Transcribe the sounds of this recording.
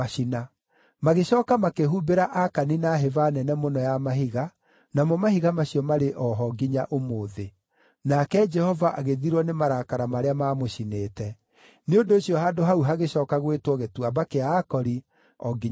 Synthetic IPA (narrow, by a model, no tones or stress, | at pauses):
aina | maɣeɕɔːkamakeɦubeɾaʔakaninaɦevanɛnɛmonɔjamaɦiɣa | namɔmahiɣamaɕiɔmaɾeʔɔɦɔɡiɲaʔomoːðe | nakɛd͡ʒɛhɔvaʔaɣeðiɾwɔnemaɾakaɾamaɾeamaːmoɕineːtɛ | neondoːɕjɔɦaːdoɦauɦaɣeɕɔːkaɣwetwɔɣetwabakeaːkɔɾi | ɔɡiɲ